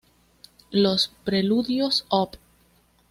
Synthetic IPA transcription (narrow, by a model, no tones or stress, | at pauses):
lospɾeluðjosop